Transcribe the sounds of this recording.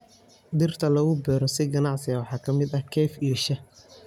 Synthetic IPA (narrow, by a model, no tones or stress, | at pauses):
d̪ɪrt̪ʰɐlɐɣʊbɛːɾɔsɪɡɐnɑʕsɪɣɐwɑħɑːkʰɐmɪd̪ɐhkʰɛːfijɔʃɐ